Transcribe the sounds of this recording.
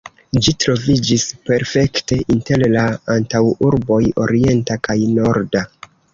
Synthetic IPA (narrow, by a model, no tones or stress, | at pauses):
d͡ʒitɾo̞vid͡ʒispe̞ɾfe̞kte̞ʔinte̞llaantawuɾbo̞jo̞̰ɾie̞ntakajno̞ɾda